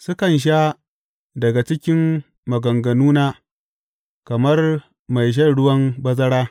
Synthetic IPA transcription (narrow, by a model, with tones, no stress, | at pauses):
sʊ˦kɐ˨nʃ̬a˦ | dɐ˨ɡa˨t͡ʃɪ˦kʲɪ˦mː | ɐ˨ɡɐ˨ŋɡɐ˨nuː˦naː˦ | kɐ˨mɐ˦r | ma˨jʃ̬ɐ˦˨rɽʊ˦wɐ˦mbɐ˦zɐ˦ɽaː˦